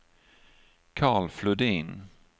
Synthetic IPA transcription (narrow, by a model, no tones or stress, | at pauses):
kʰɑːɭflɵd̪iːn